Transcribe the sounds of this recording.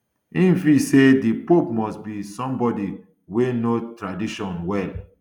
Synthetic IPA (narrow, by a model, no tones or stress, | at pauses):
ĩnfisedipopmɔstbisɔ̃mbɔdi | wenotɹadiʃɔ̃nwɛl